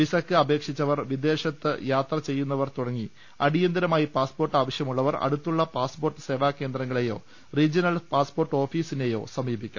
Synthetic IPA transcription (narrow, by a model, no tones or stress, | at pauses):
ʋisɐkːɨɐbe̞ːkʂit͡ɕːɐʋɐrʋid̪e̞ːɕɐt̪ːɨ̰jaːt̪rɐt͡ɕe̞jːunːɐʋɐrt̪uɽɐŋːi | ɐɽijɐnd̪ɐɾɐmaːjipaːspo̞ːrʈːaːʋɐɕjɐmuɭːɐʋɐrɐ̰ɽut̪ːuɭːɐpaːspo̞ːrʈːɨ̥se̞ːʋaːkːe̞ːnd̪ɾɐŋːɐɭejo̞̰ː | riːd͡ʑɐnɐlpaːspo̞ːrʈːo̞ːfiːsinejo̞̰ːsɐmiːbikʲːam